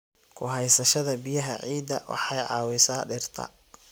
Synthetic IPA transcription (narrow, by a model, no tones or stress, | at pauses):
kʰʊɦɛjsɐʃɐðɐbɪjɐɦɐ̰ʕiːd̪ɐwɑ̰ħɑjʕɑːwɪsaːɖɪrt̪ʰɐ̰